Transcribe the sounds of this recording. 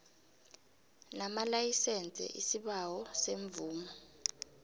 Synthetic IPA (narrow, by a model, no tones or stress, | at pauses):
namalajisɛnt͡sʼɛ̰ʔḭsiɓawɔseɱbvuːmɔ